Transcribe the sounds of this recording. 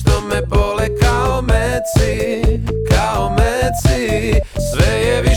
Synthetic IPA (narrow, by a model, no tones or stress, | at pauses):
t̪ɔmɛpɔlɛkalmɛt͡si | kalmɛt͡sisʋɛjɛʋi